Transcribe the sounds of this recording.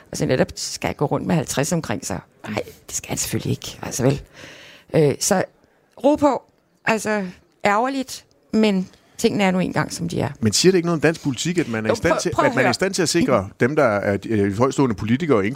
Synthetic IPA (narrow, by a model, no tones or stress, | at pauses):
ʔɒ̽sɒneɾ̥ɒb̥sɡ̥æhænɡ̥ɔ̰ːʁɔ̽n̰d̥mehælt͡sʰʁasɒ̽mkʰʁeŋ̰sɑ | ɑ̈ɪ̰d̥e̝sɡ̥æhænse̥følie̝ɡ̥ælsɒʋelʔøsɒ̽ | ʁoːpʰɔ | ʔælsɒ | ʔæɐʊɐlid̥ | men | t͡sʰe̝ŋ̰n̩æɐnue̝̰ːnɡ̥ɑ̈ŋ̰sɒ̽md̥iæɐmensiːɐɾ̥ee̝ɡənɔ̽ð̩ˠdæn̰sɡ̥̚pʰo̝lit͡sʰiɡ̥æd̥mænæɐisdæ̰t͡sʰeæd̥mænæɐisd̥æn̰t͡sʰe̝læse̝ɡ̥ʁɐd̥emd̥ɑ̈æɐhɒ̽ɪ̰sd̥o̰ːnəpʰo̝lit͡sʰiɡ̥ɐen